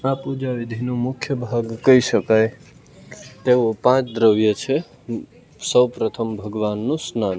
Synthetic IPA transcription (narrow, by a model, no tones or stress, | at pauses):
apud͡ʒaʋid̪ʱinũmʊkʰjəbʱaɡkəiʃəkaj | t̪eʋopãt͡ʃd̪ɾəʋjət͡ʃʰe | səwpɾət̪ʰəmbʱəɡʋanːũsnan